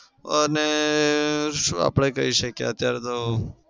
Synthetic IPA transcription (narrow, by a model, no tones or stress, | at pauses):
əne | ʃũa̰pɽ̃ekəiʃəkja̰ət̪jaɾet̪o